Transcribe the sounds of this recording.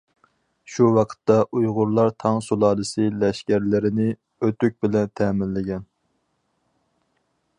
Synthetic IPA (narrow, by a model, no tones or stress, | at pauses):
ʃuwɑqʰə̥t̪ːɑʔujʁʊɾlˠɑɾt̪ʰɑŋsulˠɑːlɨsɨlɛʃkʲæɾlɪɾɪnɪ | øt̪yk̚ʲbɪlɛnt̪ʰɛːmɪnlɪɡʲɛn